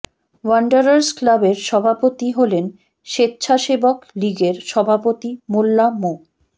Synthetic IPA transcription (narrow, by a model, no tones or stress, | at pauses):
waɳɖaɾaɾsklabeɾʃɔbʱapot̪iɦolen | ʃetːɕʰaʃebokliɡeɾʃɔbʱapot̪imolːamo